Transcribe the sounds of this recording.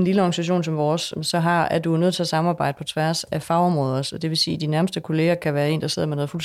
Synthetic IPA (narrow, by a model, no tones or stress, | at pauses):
enliləɒɡ̥ænisæɕ̬o̝̰ːn̩sɒ̽mʋɒːssɒ̽ɦɑ̈æɐd̥unøð̰ˠt͡sʰe̝æsɑ̈mɑ̈ːb̥ɑ̈ɪ̰d̥əpʰɒ̽t͡sʰʋæɐsæfɑ̈ʊɒ̽mʁɔ̽ːð̞ˠɐsɒ̽d̥e̝ʋe̝sḭːd̥inæɐməsd̥əkʰo̝le̝ːɐkʰæʋæːɐe̝ːnd̥ɑ̈se̝ð̰ˠɐmenɔ̽ð̩ˠfuls